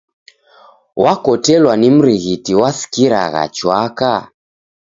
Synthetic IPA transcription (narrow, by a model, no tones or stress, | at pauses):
wʔakɔtɛlwanim̩ɾiɣitiwasi̥kiɾa̰ɣa̰t͡ʃwaka